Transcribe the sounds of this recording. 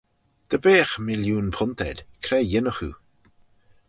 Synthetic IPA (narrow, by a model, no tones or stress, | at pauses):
d̪̥əbeːxmɪljuːnpʰʊnt̪ʰɛ̰dʲkʰɾɛjɪnəxṵ